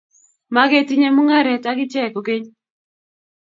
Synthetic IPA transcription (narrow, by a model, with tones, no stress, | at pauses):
ma˦ɡe˦ti˦ɲe˦mʊ˦ŋa˦ɾɛ˨ta˦ɡɪ˦t͡ʃɛ˦˨ko˨ɡe˦ɲ